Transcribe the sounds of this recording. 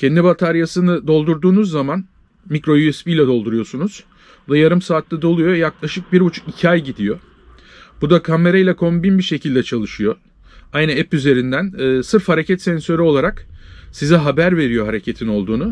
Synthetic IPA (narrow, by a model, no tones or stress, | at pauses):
cʰɛnd̪ibat̪ʰaɾjasɯnɯd̪o̞lˠd̪uɾd̪uːnuzːaman | mikɾo̞juɛspijlʲɛd̪o̞lˠd̪uɾujo̞sunuz̥ | bud̪ajaɾɯmsaːt̪ːad̪o̞lˠujo̞jaklˠaʃɯk̚biɾbut͡ʃʰu̥kicʰajɟid̪ijo̞ | b̥ud̪akʰame̞ɾajlʲɛkʰo̞mbinbiʃe̞cʰilʲd̪ɛt͡ʃʰalˠɯʃɯjo̞ | ajnaɛpyze̞ɾind̪ænːsɯɾfhaɾe̞cʰɛt̪sɛnsø̞ɾyo̞lˠaɾaksiziɦabæɾve̞ɾijo̞ɦaɾe̞cʰet̪ʰino̞lˠd̪uːnu